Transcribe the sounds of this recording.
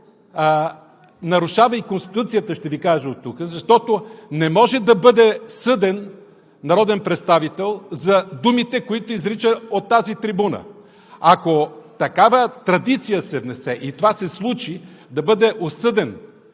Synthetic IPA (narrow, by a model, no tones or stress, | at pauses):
nɐɾʊʃavɐikonst̪i̥t̪ut̪sijət̪əʃt̪ɛvikaʒəot̪ːukəzɐʃt̪ɔt̪onɛmɔʒɛd̪ɐbɤd̪ɛsɤd̪ɛnː | ɐɾɔd̪ɛnpɾɛt̪st̪avit̪ɛlˠzɐd̪umit̪ɛkoit̪oizɾit͡ʃəot̪ːazit̪ɾibunə̰ | akot̪ɐkavət̪ɾɐd̪it̪sijəsɛvnɛsɛʔit̪ovasɛslˠut͡ʃi | d̪ɐbɤd̪ɛʔosɤd̪ɛn